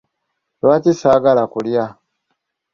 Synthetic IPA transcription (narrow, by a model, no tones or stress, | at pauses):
lwacisaːɡalakulja